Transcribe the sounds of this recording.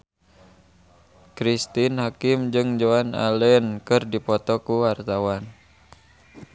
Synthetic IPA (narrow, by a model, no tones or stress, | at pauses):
kɾist̪inhakɪmd͡ʒɨŋd͡ʒoana̰lɛnkɨrdipɔt̪ɔkuwart̪awan